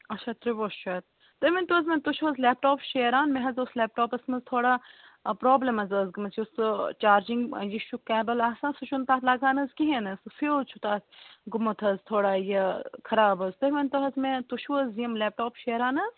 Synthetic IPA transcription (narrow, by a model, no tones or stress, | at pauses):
ɐt͡ʃʰaːt̪ɾiboːʃt͡ʃʰɐːt̪̚ | t̪ɐmint̪uɐzmẽt̪uʃʰuɐzlɛːp̚ʈoːpʃeːɾaːnmẽɦɐzoslɛːp̚ʈoːpɐsmɐnzt̪ʰoːɽaː | pɾoːblɐmɐzɐzɡɐmɐzjʊst͡ʃaːɾd͡ʒĩŋɡjiʃukɛːbɐlaːsãːsut͡ʃʰunt̪aːt̪ʰlaːɡaːnɐzkiɦẽnɐsfet͡ʃʰut̪aːt̪ɡʊmɐt̪ʰɐzt̪ʰoːɽaːjɐkʰɐɾaːbɐzt̪ɐmɐnt̪uɦɐzmẽt̪uʃʰuəziɐmlɛːp̚ʈoːpʃeːɾaːnɐz